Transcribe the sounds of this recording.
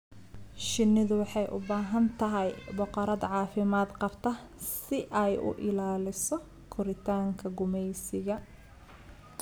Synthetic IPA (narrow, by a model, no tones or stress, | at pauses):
ʃɪnːɪðʊwɑħɑjʔʊ̰baːɦɐnt̪ʰɐɦɛjbʊqɔɾɐd̪ʕɑːfɪmaːd̪qɑbt̪ʰɐ | sɪʔɛjʊ̰ʔɪlaːlɪsɔ | kʰʊɾɪt̪ʰaːŋkʰɐɡʊmɛjsɪɣɐ